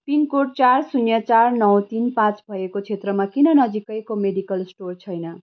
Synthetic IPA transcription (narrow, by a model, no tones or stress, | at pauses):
pinkoʈ̚t͡sarsunjʌt͡sarnʌwt̪inpãt͡sbʱʌekot͡sʰet̪rʌmakinʌnʌd͡zikʌjkomeɖikʌlsʈort͡sʰʌjnʌ